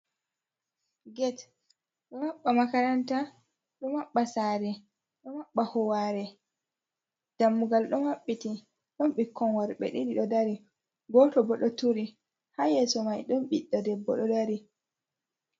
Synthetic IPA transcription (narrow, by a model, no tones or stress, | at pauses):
ɡɛt | ɗɔmaɓːamakaɾanta | ɗɔmaɓːasaːɾɛ | ɗɔmaɓːahɔwaɾɛ | d̥amːuɡalɗɔnaɓːiti | ɗɔnɓikʰːɔnwaɾɓɛ̰ɗiɗiɗɔdaɾi | ɡɔtɔbɔɗɔtuɾi | hajɛsɔmajɗɔnɓiɗːɔdɛbːɔɗɔdaɾi